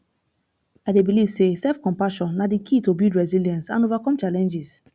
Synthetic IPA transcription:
aɪdebiliv̥sesɛlfkɔ̃mpaʃɔ̃nːadikʰitobudɹɛziljãnsãnovakɔ̃mt͡ʃalɛ̃nd͡ʒiz

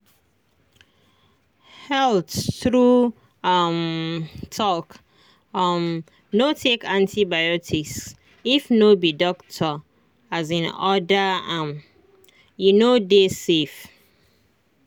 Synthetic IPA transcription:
hɛltθɹu | ʌmtʰɔk | m | notʰekãntʰibajɔtʰis | ifnobidɔktʰɔ | azĩnɔdəãm | junodesef

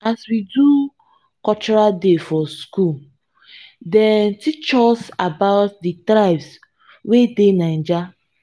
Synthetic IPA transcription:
aswidu | kɔt͡ʃɔɾaldefɔskul | dɛtit͡ʃɔsabaʊt̚ditɾaɪbs | wedenan̩d͡ʒa

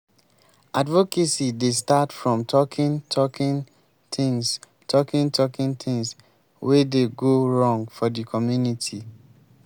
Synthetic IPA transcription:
advokesidestatfɹɔ̃mtʰɔkʰĩntʰɔkĩn | tʰĩŋs | tʰɔkĩntʰɔkĩntʰɪ̃ŋs | wedeɡoɹɔ̃ŋɡfɔdikʰɔmjunitʰi

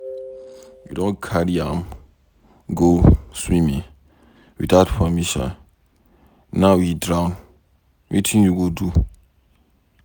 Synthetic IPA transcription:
judõnkʰaɾiãm | ɡoswĩmĩŋ | wḭdaʊtfamiʃã̰n | nawidɹãwn | wʔḭtʰĩnjuɡodu

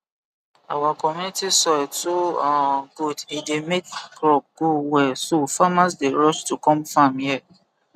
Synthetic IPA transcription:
awakɔminitisɔtoãɡudidemekkɾɔp̚ɡ̥owɛsofamas̬deɹɔʃtukɔ̃mfamjɛ

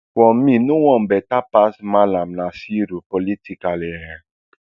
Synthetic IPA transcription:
wɔ̃mĩnũwɔ̃m̩bɛtapasmãlam̩nãsiɾupolitikalɛɾɛ̃

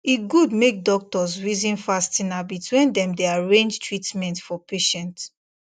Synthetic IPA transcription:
iɡudmek̚dɔk̚tɔzɹizĩnfastĩnabitʰwĩndɛ̃mdeaɹẽnd͡ʒtʰɹitmɛ̃ntfɔpʰeʃɛ̃nt

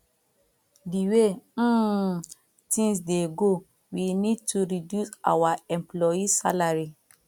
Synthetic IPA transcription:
diwe | tĩŋsdeɡo | winid̚tʰuɹidjusa̰waɛ̃mplɔisa̰laɹi

